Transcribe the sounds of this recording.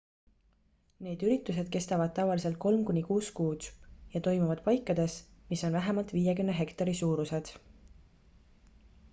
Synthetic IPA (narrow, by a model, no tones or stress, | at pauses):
ne̞ːd̪̥yɾit̪ːˑuse̞d̪̥̚ke̞st̪ɑvɑd̪̚t̪ɑvɑlise̞lt̪̚ko̞lmkunʲːikuːskuːd̪̥jɑt̪o̞jmuvɑd̪̥̚pɑjkːˑɑd̪̥e̞smiso̞nvæɦemɑlt̪ˑviːjekymneɦe̞kt̪ɑɾisuːɾuse̞d̪̥